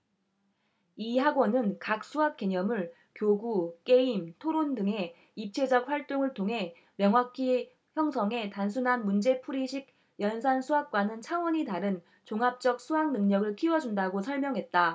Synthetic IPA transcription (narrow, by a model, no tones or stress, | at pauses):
ihaɡonɯnkak̚s͈uɦak̚k͈e̞ɲʌmɯɭ | kjoɡuk͈e̞imtʰoɾondɯŋɦe̞ | ip̚t͡ɕʰe̞d͡ʑʌk̚ɸwaɭt͈oŋɯɭtʰoŋɦe̞ | mjʌŋɦwakʰi | çjʌŋsʰʌŋe̞tans̬ʰunɦanmund͡ʑe̞pʰuɾiɕʰiɡ̚ | jʌnsʰansʰuɦak̚k͈wanɯnt͡ɕʰaŋwʌɲitaɾɯn | t͡ɕoŋap̚t͡ɕ͈ʌk̚sʰuɦaŋnɯŋɲʌɡɯɭkʰiwʌd͡ʑundaɡosʰʌɭmjʌŋɦe̞t̚t͈a